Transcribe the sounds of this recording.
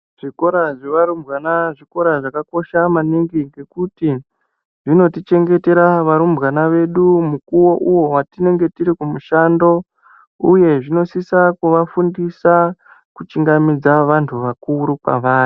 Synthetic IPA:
ʐ̥iko̞ɾaʐeʋaɾumbɣanaʐiko̞ɾaʐakako̞ʃamaniŋɡiŋɡe̞kuti | ʐino̞tit͡ʃe̞ŋɡe̞te̞ɾaʋaɾumbɣanaʋe̞ɗumukuwo̞ʔuwo̞watine̞ŋɡe̞tiɾikumuʃando̞ | uje̞ʐino̞sisakuʋafundisa | kut͡ʃiŋɡamid͡zaʋantʰuʋakuɾupa̰ʋaːni

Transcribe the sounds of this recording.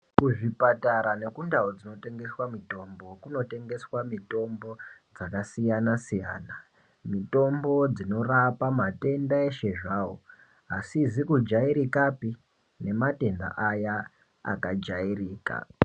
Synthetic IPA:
kuʐipataɾane̞kundaod͡zino̞te̞ŋɡe̞swamito̞mbo̞kuno̞te̞ŋɡe̞swamito̞mbo̞d͡zakasijanasija̰ːna | mito̞mbo̞d͡zino̞rapamate̞ndaeʃe̞ʐaːwo | asizikud͡ʒaiɾikapi | ne̞mate̞nda̰ʔaja | a̰kad͡ʒairiːka̰

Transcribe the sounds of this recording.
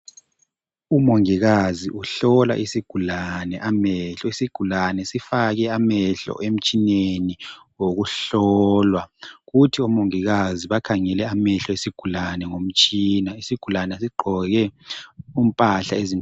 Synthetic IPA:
umoŋiɣaziʔuɬɔla̰ʔisiɡ̥ʱulanɛʔamɛɬɔesiɡ̥ʱulanɛsifaɣɛamɛɬɔ̰ʔem̩t͡ʃʼineniwoɣuɬɔlwaɣutʰiɔmoŋiɣaziβakʰaŋɛlɛamɛɬɔesiɡ̥ʱulanɛŋom̩t͡ʃʼiːnaisiɡ̥ʱulanɛsiɡ͡ǃʱɔɣɛ | um̩pʼaɬaezim

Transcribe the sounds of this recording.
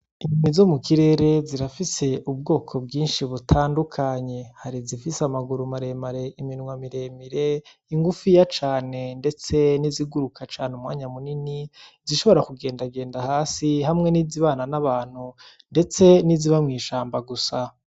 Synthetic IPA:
inimizo̞mukiɾe̞ːɾe̞ziɾafise̞ʔubɡo̞ːkʰo̞b̚ɡiːnʃiβutʰaːndukʰaɲe̞haɾizifisamaɡuɾumaɾe̞maɾe̞iminŋwamiɾe̞miɾe̞ | iŋɡufijat͡ʃaːne̞nde̞t͡se̞niziɡuɾukʰat͡ʃaːneumŋaːɲamuniniziʃo̞βo̞ɾakuɡe̞ːndaɡe̞ːndahaːsihamŋe̞niziβaːnanaβaːn̥hu | nde̞t͡se̞niziβamŋiːʃaːmbaɡusa

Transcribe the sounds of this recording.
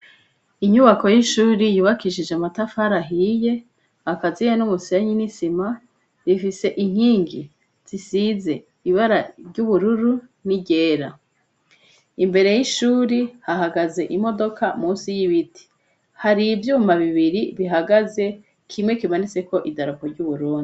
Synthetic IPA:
iɲuβako̞jiʃuːɾijuːβakiʃid͡ʒeamatafaɾaɦije̞ | akazijenumuseɲinisima | ɾifise̞ʔiŋ̥hiːŋɡi | z̥isize̞ | iβaɾaɾɟuβuɾuɾuniɟe̞ːɾa | imbe̞ɾe̞jiʃuːɾihaɦaɡaze̞ʔimo̞do̞kʰamuːnsijiβitʰi̥ | haɾivjuːmaβiβiɾiβiɦaɡaze̞ | kʰimŋe̞kimanit͡se̞ko̞ʔidaɾukoɾɟuβuɾuːndi

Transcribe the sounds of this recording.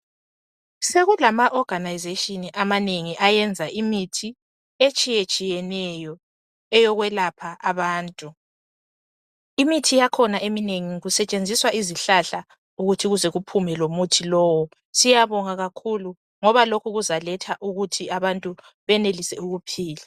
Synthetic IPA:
seɣulamaʔɔɡ̥ʱanajzetʼiniʔamaneŋiʔajɛnd͡zʱaʔimitʰi | et͡ʃʼijet͡ʃʼijɛnɛjɔ | ɛjɔɣwɛlapʰaʔaβaːntʼu | imitʰijakʰɔnaʔemineŋiɣusɛt͡ʃʼend͡zʱiswaʔiziɬaɬa | uɣutʰiɣuzɛɣupʰumɛlomutʰilɔːwɔ | sijaβɔŋaɣakʰulu | ŋɔβalokʰuɣuzalɛtʰaʔuɣutʰiaβantʼu | βɛnelisɛuɣupʰiːlɛ

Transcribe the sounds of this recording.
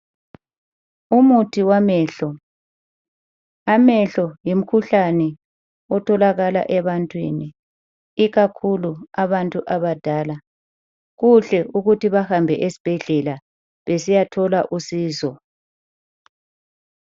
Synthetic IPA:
umutʰiwamɛːɬɔ | amɛɬɔjim̩kʰuɬanɛ | ɔtʰɔlaɣala̰ʔɛβantʼwḭni | iɣakʰuluaβantʼuʔaβad̥ʱaːla | ɣuɬɛʔuɣutiβahambʱɛʔesi̥b̥ʱɛɮɛla | βesijatʰɔlaʔusiːzɔ

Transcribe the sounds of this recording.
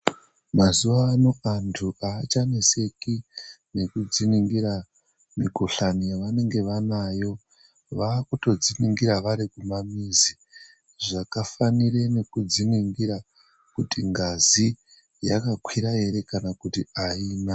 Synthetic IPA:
mazuʋaːno̞antʰuʔaːt͡ʃanese̞kine̞kud͡ziniŋɡiɾa | mikoɬanijaʋane̞ŋɡe̞ʋanajo̞ | ʋaːkuto̞d͡ziniŋɡiɾaʋaɾikumamiːzi | ʐakafanirene̞kud͡ziniŋɡiɾa | kutiŋɡazi | jakakwiɾae̞ɾe̞kanakutiaiːna

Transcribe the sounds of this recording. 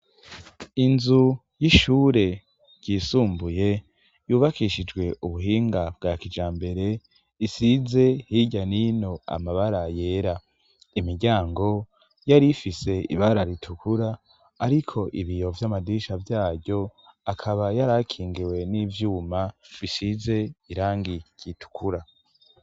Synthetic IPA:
inzu | jiʃuːɾe̞ | ɟ̥iːsuːmbuje̞ | juːβakiʃid͡ʒɡwe̞ʔuβuɦiːŋɡabɡaːkid͡ʒaːmbe̞ɾe̞ | isize̞hiɟanino̞a̰maβaɾaje̞ːɾa | imiɾɟaːŋɡo̞ | jaɾifise̞ḭβaɾaɾitʰukuɾaː | ɾikʰo̞ʔiβijovjamadiʃavjaːɟo̞akʰaβajaɾakʰiːŋɡiwe̞niːvjuːmaβisize̞iɾaːŋɡiɟ̥itʰu̥kʰuɾa

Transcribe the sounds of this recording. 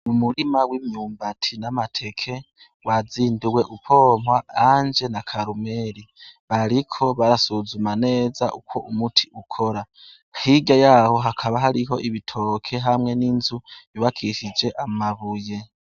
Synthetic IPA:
mumuɾimawimɲuːmbatʰinamatʰe̞kʰe̞ | waziːnduwe̞ʔupʰo̞ːmwaand͡ʒe̞nakʰaɾume̞ɾi | βaɾikʰo̞βaɾasuzumane̞ːzaʔukʰo̞ʔumutʰi̥ʔukʰo̞ɾa | hiɡajaho̞ɦakʰaβaɦaɾiɦo̞ʔiβitʰo̞ːkʰe̞ɦamŋe̞niːnzuβiβakʰiʃid͡ʒe̞ʔamaβuje̞

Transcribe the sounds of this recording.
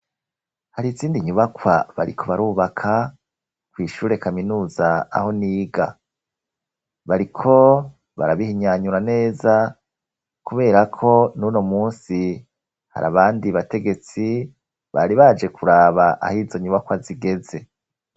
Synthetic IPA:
haɾiziːndiɲuβakwaβa̰ɾḭkʰo̞βaɾuːβakʰa | kwiːʃuːɾe̞kaminuːzaa̰ho̞niːɡa | βaɾikʰo̞ | βa̰ɾaβihiɲaɲuɾane̞ːza | kuβe̞ːɾakʰo̞nuno̞muːnsi | ha̰ɾʔa̰βaːndiβate̞ɡe̞t͡si | βa̰ɾiβad͡ʒe̞kʰuɾaːβaʔa̰hiːzo̞ɲuβakwaziɡe̞ze̞

